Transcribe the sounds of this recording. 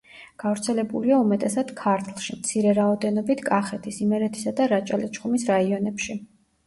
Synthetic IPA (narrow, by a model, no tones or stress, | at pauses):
ɡ̥avɾt̪sʰɛlɛbuliaumɛt̪ʼɛsad̪̥kʰaɾt̪ʰlˠʃimt̪sʰiɾɛɾaɔd̪ɛnɔbit̪ʰkʼaχɛt̪ʰisimɛɾɛt̪ʰi̥sad̪aɾat͡ʃʼalɛt͡ʃʰχumisɾaiɔnɛpʃi